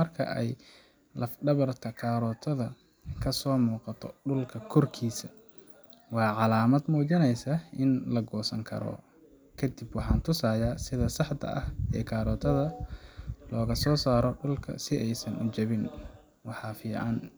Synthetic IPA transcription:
mɐrkʰɐ̰ʔɛj | lɐfɖɐβɐrt̪ʰɐkʰaːɾɔːt̪ʰɐðɐ | kʰɐsɔːmuːqɑt̪ʰɔɖʊlkʰɐkʰɔrkʰiːsɐ̥ | wɑːʕɑlaːmɐd̪muːt͡ʃɐnɛjsɐʔɪnlɐɡɔːsɐŋkʰɐ̰ɾɔ̰ | kʰɐd̪ibwɑħɑːnt̪ʰʊsaːjaːsɪðɐsɑħt̪ʰɐ̰ʔɐhɛːkʰaːɾɔːt̪ʰɐðɐ | lɔːɣɐsɔːsaːɾɔɖʊlkʰɐ̰sɪʔɛjsɐnʊt͡ʃɐβɪn | wɑħɑːfiːʕɑn

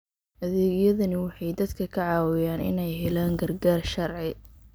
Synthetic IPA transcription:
hɐðeːɣjɐðɐnɪwɑħɑjd̪ɐd̪kʰɐkʰɐʕɑːwɪjaːnɪ̰nɛjɦɛlaːŋɡɐrɡaːrʃɐrʕɪ

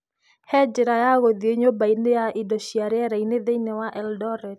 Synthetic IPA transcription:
hɛd͡ʒɪɾajaɣod̪eɲobainejaʔidoʃiaɾaɾained̪einɛwaʔɛldɔɾɛt̚

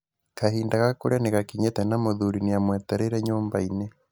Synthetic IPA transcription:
kahiːndaɣakoɾjaneɣakiɲetɛnamoðuɾinijamwɛteɾeɾɛɲoːmba̰ine

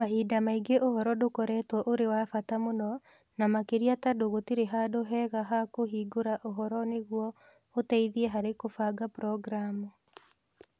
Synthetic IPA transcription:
maɦidamaiɡeʔohɔɾɔdokɔɾɛtwɔʔoɾewafatamonɔ | namakeɾiatadoɣotiɾeɦadoɦɛɣaɦakoɦiːɡoɾaʔoɦɔɾɔneɣwɔ | otɛiðiɛɦaɾekofaɡapɾɔɡɾamu

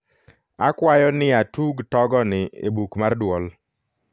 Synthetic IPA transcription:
a̰kwajɔnɪatuɡtɔɡɔnɪḛbukmardwɔl

